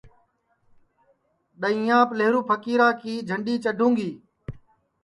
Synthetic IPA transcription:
ɗəĩːjãːpleɦɾuːpʰəkiːɾaːkiːd͡ʒʱəɳɖiːt͡ʃəɖʱũːŋɡiː

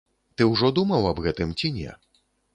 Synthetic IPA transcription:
t̪ɨwʐɔd̪umɐwɐbɣɛt̪ɨmt͡sʲinʲɛ̰

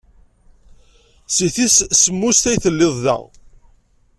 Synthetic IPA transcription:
siθissəmːust̪æjθəlːɪðˤðæ̰ʁ

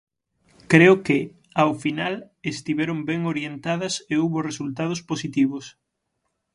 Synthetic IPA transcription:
kɾeʊkɪ | awfinal | est̪iβɛɾombɛŋoɾjent̪aðɐseowβoresult̪að̞ʊsposit̪iβʊs

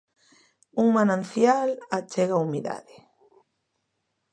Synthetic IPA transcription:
uŋmanãnθjalat͡ʃɛɣaumiða̰ðɪ

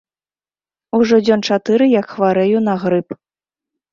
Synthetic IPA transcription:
uʐɔd͡zʲɔnt͡ʂat̪ɨɾɨjɐkxvaɾɛjunɐɣɾɨp

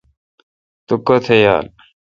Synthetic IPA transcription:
t̪ukot̪ʰeja̰ːn

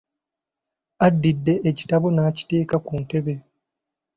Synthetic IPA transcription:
adːidːe̞ʔːci̥taβo̞naːci̥te̞ːkakunte̞βe̞

